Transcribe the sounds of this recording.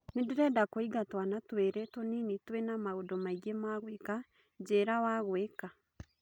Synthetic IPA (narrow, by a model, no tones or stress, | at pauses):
nedeɾɛdakoiɡatwanatweɾɛtwɔninitwenamaodɔmaiɣemaɣweka | d͡ʒeɾawaɣweka